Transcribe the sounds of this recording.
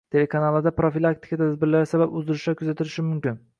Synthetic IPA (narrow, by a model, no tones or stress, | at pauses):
t̪ʰe̞le̞kʰanalˠɪd̪apɾofilˠakt̪ʰɪ̥kat̪ʰazbɪɾlaɾsababʊzd̪ɪɾɪʃakʰʊzat̪ʰɪlɪʃɪmʊmkʲɪn